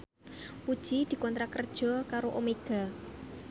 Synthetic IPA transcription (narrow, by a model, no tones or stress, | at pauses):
pud̥ʒ̥id̪̥i̤kɔnt̪ɾakərd̥ʒ̥ɔ̤kaɾoʔomeɡ̥a̤